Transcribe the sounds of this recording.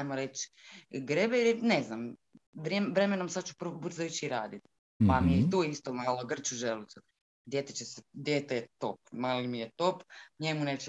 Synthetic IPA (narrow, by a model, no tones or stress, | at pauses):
ajmoɾe̞t͡ɕɡɾebeilineznam | ʋeʋɾe̞menomsad̪t͡ʃu̥pburzajut͡ɕiiɾaːd̪it̪ | pamijeit̪oist̪omaːloɡr̩t͡ʃuʒelusu | d̪jet̪et͡ɕesed̪jeːt̪ejet̪opmaːlimijet̪opɲemuneːt͡ʃe